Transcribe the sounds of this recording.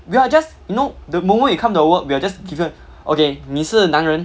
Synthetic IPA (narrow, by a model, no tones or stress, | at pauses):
wiad͡ʒasjunodəmõmə̃njukʰãmtuwək̚wiad͡ʒasɡivə̃n | ʔokemisənãŋɹə̃n